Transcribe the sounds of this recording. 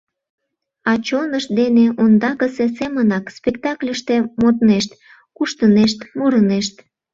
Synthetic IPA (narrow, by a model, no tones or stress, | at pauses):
ɑt͡ɕonəʃ̚d̪eneʔond̪ɑkəsesemənɑkspekt̪ɑklʲəʃt̪emot̪neʃt̪ | kuʃt̪əneʃt̪muɾəneʃt̪